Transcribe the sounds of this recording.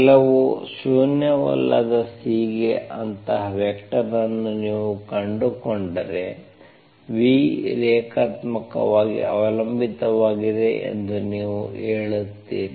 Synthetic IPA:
lɐʋusuːnjɐʋɐ̰lːɐ̰d̪ɐsiːɡeʔɐnt̪ɐɦɐʋjɛkʈɐnɐnːuniːʋukɐɳɖukoɳɖɐɾe̞ | ʋiɾɛːkʰaːt̪mɐkɐ̰ʋaːɡḭɐ̰ʋɐlɐmbʱit̪ɐʋaːɡid̪e̞ʔḛnd̪uniːʋuɦeːɭut̪ːiːni

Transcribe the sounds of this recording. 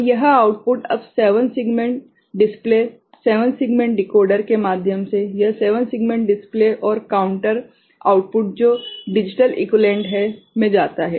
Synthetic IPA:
jɐɦaːʊʈ̚pʊʈɐ̰bseːʋənsɪɡmẽɳʈ | ɖɪspleː | seːʋənsɪɡmẽɳʈ̚ɖɪkoːɾɖəɾkemaːd̪ʱjəmsejɐɦseːʋənsɪɡmẽɳʈɖɪspleʔɔːɾkaːʊ̃ɳʈəɾ | a̰ːʊʈ̚pʊʈ̚d͡ʒoːɖɪd͡ʒɪʈəlʔɪ̰klẽːɳʈɦɛmẽd͡ʒaːt̪aɦɛ̰ː

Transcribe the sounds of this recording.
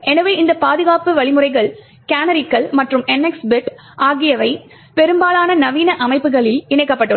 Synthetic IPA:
ʔɛnɐʋɐɪnd̪ɐpaːðɯɣaːpɯʋɐɭɪmɯrɐɪɣɐɭ | kaːnɐɾɪkːɐɭmɐʈrɯmɛnːɛksbɪʈ | ʔaːɣɪjɐʋɐɪ | pɛɾɯmbaːlaːnɐnɐʋiːnɐʔɐmɐɪpːɯɣɐɭɪlɪɳɐɪkːɐpːɐʈːɯ

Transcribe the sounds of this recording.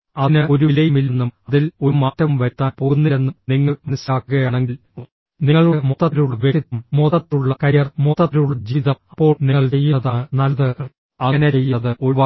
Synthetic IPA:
ɐnɨo̞ɾuilɐjumilenːumɐðilomaːtːɐʋumʋɐɾt̪ːaːnpo̞ːɣunːiɾe̞nːumniŋːɐminɐslaːkːuɣɐjaːɳe̞ŋɡil | niŋːɐɭumot̪ːɐt̪iluɭːɐʋjeʈit̪ːumːoðɐt̪ːuɭːɐkɐɾjɐrmoðɐt̪luɭːɐd͡ʑiːðɐmɐpːo̞ːɭniŋːɐɭt͡ɕe̞jːuɐðaːɳɨnɐlɐðɨ | ɐɐneejːðɨʔo̞ʋaː

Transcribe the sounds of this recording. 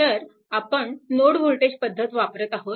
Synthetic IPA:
əɾ | apəɳnoɽʋʱolʈed͡ʑpəd̪ʱːət̪ʋapɾət̪aɦo

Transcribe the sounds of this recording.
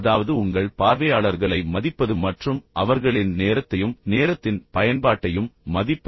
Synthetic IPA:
ðaːʋɐðɯʊŋɡɐɭpaːɾʋɐjaːɭɐɾɣɐɭɐɪmɐðɪpːɐðɯmːɐʈrɯmʔɐʋɐɾɣɐɭɪnneːɾɐt̪ːɐjɯmneːɾɐt̪ːɪnpɐjɐnbaːʈːɐjɯmːɐðɪpː

